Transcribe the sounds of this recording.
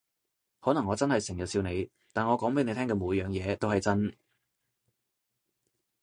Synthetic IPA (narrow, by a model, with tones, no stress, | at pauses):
hɔː˨˥nɐ˨˩ŋɔː˨˧t͡sɐ˥nhɐ˨jsɪ˨˩ŋjɐ˨˩t̚siː˧wne˨˧j | t̪aː˨nŋɔː˨˧kɔː˨˥ŋpe˨˧˥jne˨˧jt̪ʰɛː˥ŋkɛː˧muː˨˥jjœː˨ŋjɛː˨˧t̪o˥whɐ˨jt͡sɐ˥n